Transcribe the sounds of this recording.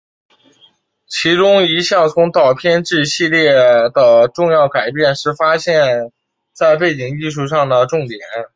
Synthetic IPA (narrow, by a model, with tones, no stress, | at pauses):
t͡ɕʰi˧˥ʈ͡ʂʊ˥ŋi˧˥ɕjɑ˥˩ŋt͡sʰʊ˧˥ŋt̪ɑ˨˩ʊpʰjɛ˥˧nʈ͡ʂɻ̩˥˧ɕi˥˧ljɛ˥˩d̪ə˩ʈ͡ʂʊ˥˧ŋjɑ˥˩ʊka˨˩ɪpjɛ˥˧nʂɻ̩˥˩fa˥ɕjɛ˥˧n | t͡sa˥˧ɪpe˥˩ɪt͡ɕi˨˩ŋi˥˧ʂ̬u˥˧ʂɑ˥˩ŋd̪ə˩ʈ͡ʂʊ˥˩ŋt̪jɛ˨˩˦n